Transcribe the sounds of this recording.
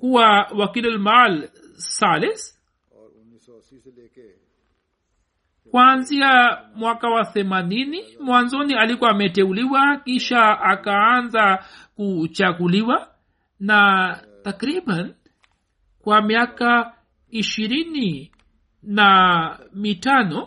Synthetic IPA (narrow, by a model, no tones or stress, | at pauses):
kuwawakilɛlmal | salɛs | kwanziamwakawaθɛmaninimwanzɔnialikɔamɛtɛuliwakiʃaakaanzakut͡ʃaɡuliwa | na | takɾiɓan | kwamiaka | iʃiɾini | namitanɔ